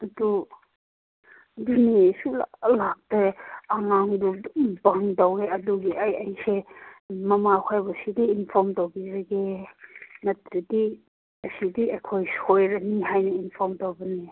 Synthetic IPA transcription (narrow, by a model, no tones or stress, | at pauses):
ɐdu | dunisula̰lak̚teaŋaŋdubɐŋdaweɐduɡiʔajajsemɐmakʰajbɐsidiːnpʰɔɾmtowbizaɡe | nɐtɾidi | ɐsidiʔekʰojshojɾaniɦajnɐinpʰɔɾmtowbɐni